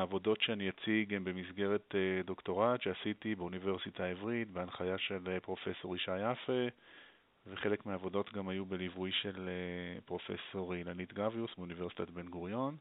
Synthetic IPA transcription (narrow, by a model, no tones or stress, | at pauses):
aːvo̞do̞tʃeanijat͡siɡembe̞misɡe̞ʁetedokto̞ʁatʃeasitibeunive̞ʁsitʰaevʁitbeanχajaʃe̞lpʁo̞fe̞so̞ʁiʃajafe | veχe̞le̞kmeaːvo̞do̞t̪ɡamajubelivujʃe̞lepʁo̞fḛso̞ʁilanit̪ɡaviusbeunive̞ʁsi̥t̪at̪be̞nɡuʁjo̞n